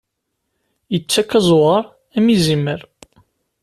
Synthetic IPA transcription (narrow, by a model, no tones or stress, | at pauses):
jət͡sːækːæzˤʁɑɾˤ | æmizimːəɾ